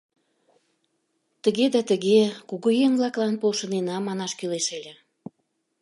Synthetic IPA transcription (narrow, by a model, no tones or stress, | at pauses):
t̪əɣed̪ɑt̪əɣekuɣujeŋvlɑklɑnpolʃənenɑmɑnɑʃkyleʃelʲe